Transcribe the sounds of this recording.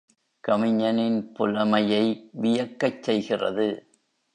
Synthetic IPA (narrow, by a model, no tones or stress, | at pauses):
kɐmɪɲːɐnɪnpʊlɐmɐjɐɪʋɪjɐkːɐt͡ʃsɛjɣɪrɐ̰ðɯ